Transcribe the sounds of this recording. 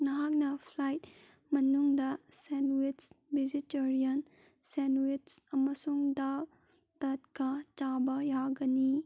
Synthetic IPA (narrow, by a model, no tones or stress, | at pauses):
nɐɦak̚nɐpʰlajt̚ | mɐnuŋdɐsenwit͡ʃbid͡ʒitɐɾijɐn | senwitt͡ʃɐmɐsuŋdal | tɐt̚kat͡ʃabɐjaɡɐni